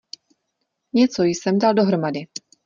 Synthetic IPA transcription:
ɲɛt͡sojsɛmdaldo̞ɦɾo̞madɪ

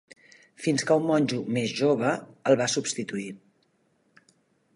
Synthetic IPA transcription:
finskəumːɔnʲʒumezʒoβ̞əəlˠβasupst̪it̪ui

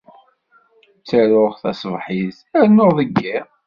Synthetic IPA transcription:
t͡sːəɾʊʁθæsvħiz | æɾnːoʁðəɡːi

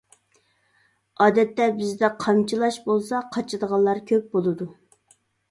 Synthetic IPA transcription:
ɑːd̪ɛt̪ːɛbɪzd̪ɛqʰɑmt͡ʃʰilˠɑʃbolˠsɑqʰɑt͡ʃʰɨd̪əʁɑlˠːɑɾkʲʰøp̚bolˠɨd̪u

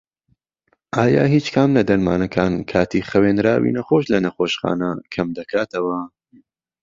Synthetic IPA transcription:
ʔaːja̰ːɦiːt͡ʃkʰɐmlɐd̪ɐɾmaːnɐkʰaːnkʰaːt̪iːχɐweːnɾaːwḭnɐχoʃlɐnɐχoːʃχa̰ːnɐkʰɐmd̪ɐkʰaːt̪ɐwɐ

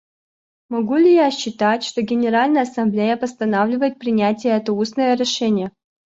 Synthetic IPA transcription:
mɐɡulʲɪjaɕːɪt̪atʲʂt̪oɡʲɪnʲɪɾalʲnəjəɐsɐmblʲejəpəst̪ɐnavlʲɪvəjɪt̪̚pɾʲɪnʲætʲɪjəɛt̪əusnəjəɾʲɪʂɛnʲɪjə

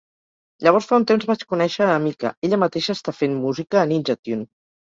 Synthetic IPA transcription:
ʎəβ̞ɔɾsfaunt̪emzβat͡ʃkunɛʃəəmikə̰eʎəmət̪eʃəːst̪afemmuzikəːninʲʒət̪un

